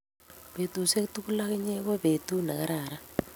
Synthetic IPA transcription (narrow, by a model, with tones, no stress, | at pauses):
βe˨tu˨se˦tu˦ku˦la˦ɣe˦ɲe˦ɣɔ˦βe˨tu˦na˨ka˦ɾaː˨ɾa˦